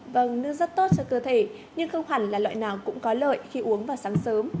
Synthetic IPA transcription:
və˧˩ŋnɨ˧əzə˦˥t̚t̪o˦˥t̚t͡ɕɔ˧kəː˧˩t̪ʰe˧˩ | ɲɨ˧ŋxə˧wŋ͡mɦa˨˧˩nlaː˨˩lwa̰ː˧˨jnaː˨˩wkʊ̰˧˥ŋ͡mkɔ˨˦lə̰ː˧˨jxi˧ʔu˨˦əŋvaː˨˩wsaː˨˦ŋsəː˨˦m

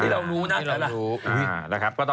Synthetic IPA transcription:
iː˥˩ɾa˧wɾuː˦˥na˦˥˩ɾa˧la˧ɾuː˦˥ʔɯː˨˩na˦˩kʰa˦˥p̚kɔː˥˩t̪

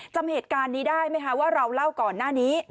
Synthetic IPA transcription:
t͡ɕa˧mheː˨˩t̪̚kaː˧nːiː˦˥daː˥˩jma˦˥jkʰa˦˥waː˥˩ɾa˧wla˥˩wkɔː˨˩nːaː˥˩niː˦˥

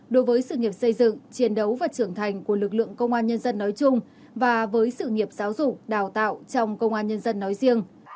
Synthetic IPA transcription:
ɗo˨˦jvəː˨˦jsɨ̰˧˨ŋi˨˩əp̚sə˧jzɨ̰˧˨ŋt͡ɕi˨˦ənɗə˨˦wvaː˨˩t͡ɕɨ˧˩əŋt̪ʰa˨˩jŋ̟ku˧˩əlɨ˨˩k̚lɨ̰˧˨əŋkə˧wŋ͡mʔaː˧nɲə˧nzə˧nːɔ˨˦jt͡ɕʊ˧ŋ͡m | vaː˨˩vəː˨˦jsɨ̰˧˨ŋi˨˩əp̚zaː˨˦wzʊ˨˩k͡p̚ɗaː˨˩wt̪a̰ː˧˨wt͡ɕɔ˧wŋ͡mkə˧wŋ͡mʔaː˧nɲə˧nzə˧nːɔ˨˦jzi˧əŋ

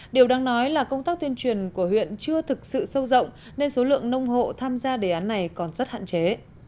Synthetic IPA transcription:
ɗi˨˩əwɗaː˨˧ŋnɔ˨˦jlaː˨˩kə˧wŋ͡mt̪aː˦˥k̚t̪i˧ənt͡ɕwi˨˩ənku˧˩əhwḭ˧˨ənt͡ɕɨ˧ət̪ʰɨ˨˩k̚sɨ̰˧˨sə˧wzə̰˧˨wŋ͡m | ne˧nso˨˦lɨ̰˧˨əŋnə˧wŋ͡mɦo̰˧˨t̪ʰaː˧mzaː˧ɗe˧˩ʔaː˨˦nːa˨˩jkɔ˨˩nzə˦˥t̚ha̰ː˧˨nt͡ɕe˨˦

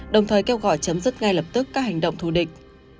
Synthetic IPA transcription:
ɗə˨˩wŋ͡mt̪ʰəː˨˩jkɛ˧wɣɔ̰˧˩jt͡ɕə˨˦mzɨ˦˥t̚ŋa˧jlə˨˩p̚t̪ɨ˦˥kːaː˦˥k̚ha˨˩jŋ̟ɗə̰˧˨ŋ͡mt̪ʰu˧˩ɗï˨˩k̟̚

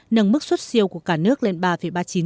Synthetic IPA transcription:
nə˨˧˩mmɨ˦˥k̚swə˦˥t̚si˧əwku˧˩əkaː˧˩nɨ˦˥ək̚le˧nɓaː˧fə˨˩jɓaː˧t͡ɕi˨˦n

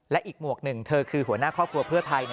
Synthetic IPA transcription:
lɛ˦˥ʔiː˨˩k̚mu˨˩ək̚nɯ˨˩ŋt̪ʰɤː˧kʰɯː˧ɦu˩˦ɐnaː˥˩kʰɔː˥˩p̚kʰu˧ɐpʰɯ˥˩ɐt̪ʰa˧j

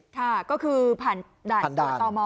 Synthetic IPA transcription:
k̪ʰa˥˩kɔː˥˩kʰɯː˧pʰaː˨˩n | daː˨˩˨nda˩˨˧t̪ɔː˧mɔː˧

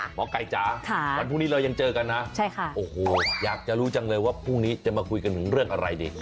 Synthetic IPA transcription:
mɔː˨˦ka˨˩jt͡ɕaː˨˦kʰa˥˩wa˧npʰuː˥˩ni˦˥la˧ja˧ŋt͡ɕɤː˧ka˧nːa˦˥t͡ɕʰa˥˩jkʰa˥˩ʔoː˨˩hoː˨˩jaː˨˩k̚t͡ɕa˨ʔɾuː˦˥t͡ɕa˧ŋlɤː˧jwaː˥˩pʰuː˥˩ŋniː˦˥t͡ɕa˨˩maː˧kʰu˧jka˧nt̪ʰɯ˩˦ŋɾɯ˥˩əŋʔa˧ɾa̰˧jdḭː˧˩

